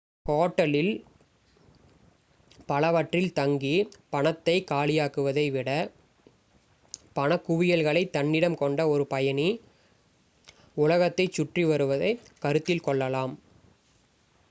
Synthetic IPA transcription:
hoːʈːɐlɪl | pɐlɐʋɐʈrɪlt̪ɐŋɡipɐɳɐt̪ːɐɪkaːlɪjaːkɯʋɐðɐɪʋɪɽɐ | pɐnɐkːʊʋɪjɐlɣɐɭɐɪt̪ːɐnːɪɽɐmkɔɳɖɐɔɾɯpɐjɐni | ʊlɐɣɐt̪ːɐɪt͡ʃːʊʈriʋɐɾɯʋɐðɐɪ | kɐɾɯt̪ːɪlkɔɭːɐlaːm

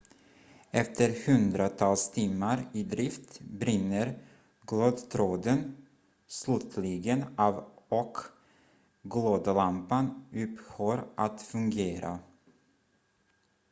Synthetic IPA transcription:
ɛft̪ʰəɾhɵnd̪ɾat̪ʰɑlst̪ʰiːmːaɾɪd̪ɾɪft̪bɾɪnːəɾ | ɡ̥loːd̪t̪ʰɾoːd̪ən | slʉt̪ʰlɪɡənɑvɔk | ɡloːd̪əlampanʉphoːɾʔat̪fɵŋɡeːɾa̰

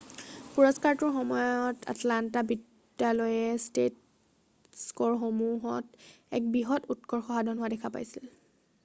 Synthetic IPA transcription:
puɹɔskaɹtʊɹxɔmɔjɔtʰa̰tlantabidː | alojɛstet | skɔɹxomuɦɔt | ɛ̰k̚biɦɔtutkɔɹxɔɦadʱɔnɦʊadɛkʰapa̰jsil

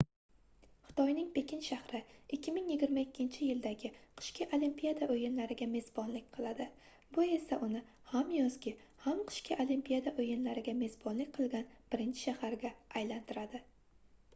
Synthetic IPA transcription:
χɨ̥t̪ʰɒjnɪŋpʰe̞kʲɪnʃahɾɪɪkʲːɪmɪŋjɪɡʲɪɾmaɪkʲʰːɪnt͡ʃʰɪjɪld̪aɡʲɪqʰɨ̥ʃkʲʰaʔolimpijad̪aʔojɪnlaɾɪɡʲame̞zbɒnlɪk̚ʲqʰɨlˠad̪ɪ | bʊe̞saʔʊnɪ | hamjɒzɡʲɪ | hamqʰɨ̥ʃkʲʰaʔolimpʰijad̪aʔojɪnlaɾɪɡʲame̞zbɒnlɪk̚ʲqʰɨlˠɡʲanb̥ɪɾɪnt͡ʃʰɪ̥ʃahaɾɡʲaajlant̪ʰɪɾad̪ɪ

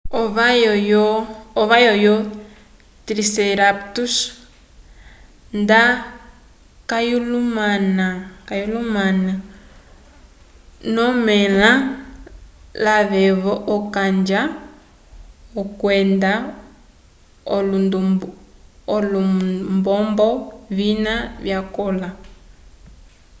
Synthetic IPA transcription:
ɔβajɔjɔɔβajɔjɔ | tɾisɛɾaptus | nda | kajulumanakajulumana | nɔmɛla | laβɛβɔʔɔkand͡ʒa | ɔkwɛnda | ɔlundu | ɔlumbɔmbɔβinaβjakɔla

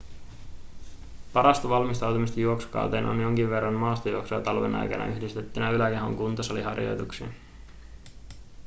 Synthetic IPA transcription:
pɑɾɑst̪oʋɑlmist̪ɑwt̪umist̪ɑjuo̞ksu̥kɑ̰wt̪eːno̰njo̞ŋk̟iʋʋe̞rːɑnmɑːst̪ojuo̞ksuɑ̰t̪ɑlʋḛnʔɑ̰jkɑ̰nɑ̰ʔyhdist̪et̪ːynæylæke̞ɦo̰ŋkunt̪osɑliɦɑrjo̞̰jt̪uksiɑ

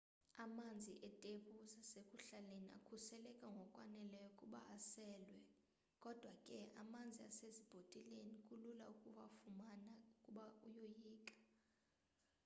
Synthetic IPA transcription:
amand͡zʱiʔɛtʼeɓuzasekʰʼuɬalenia̰kʰusɛlɛkʼaŋɡʱɔkʼwanɛlɛjɔkʼuɓa̰ʔasɛːlwɛ | kʼɔd̥ʱwakʼɛamand͡zʱia̰sezib̥ʱotʼilenikʼulula̰ukʼuvafumanaukʼuɓaujojiːkʼḁ

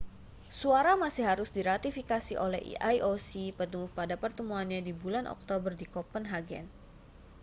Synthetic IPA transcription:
suaɾamasɪhɦaɾʊsdiɾat̪ifikasiʔolɛ̰ɦḭʔajʔosipət̪uŋʊhpadapərt̪əmuanɲadibulanʔɔ̰k̚t̪obərdikɔpənɦaɡɛ̰n

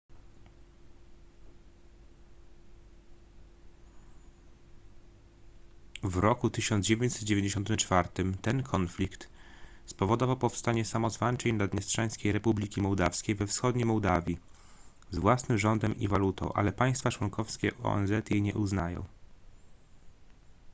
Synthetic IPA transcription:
vɾɔkut̪ɘɕɔnd̪d͡ʑevʲjeɲt͡ɕsɛt̪d͡ʑevʲeɲd͡ʑeɕɔnt̪ɘmt͡ʂfaɾt̪ɘmt̪ɛnkʰɔnflʲikt̪spɔvɔd̪ɔvawpɔfst̪aɲɛsamɔzvant͡ʂɛɲnad̪ɲɛstʂaj̃skʲejɾɛpublʲikʲimɔwd̪afskʲejvɛfsxɔd̪ɲejmɔwd̪avʲji | zvwasnɘmʐɔnd̪ɛmʔḭvalut̪ɔ̰̃w̃ʔa̰lɛpaj̃st̪fat͡ʂwɔŋkʰɔfskʲɛ̰ʔɔ̰ɛ̰nzɛt̪jɛɲɛ̰ʔuznajɔ̰̃w̃

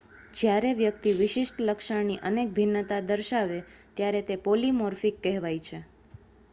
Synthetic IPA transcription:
d͡ʒjaɾeʋjəkt̪iʋɪʃɪʃʈləkʃəɳniʔənek̚bʱinːət̪ad̪əɾʃaʋet̪jaɾet̪epolimɔɾfikːɛɦʋajt͡ʃʰe

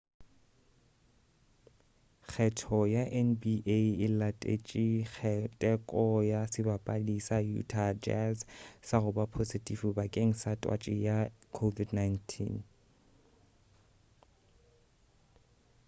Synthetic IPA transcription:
k͡xʰɛtʰɔjaʔɛnbiʔeɪlatʼḛt͡ʃʼik͡xʰɛtʼɛkʼɔjasɪbapʼalisajṵtʰad͡ʒɛ̰zsaɣʊbapʰositʼifubakʼeŋ̩satʼwa̰t͡ʃʼɪjakʰovidnajntʰḭn

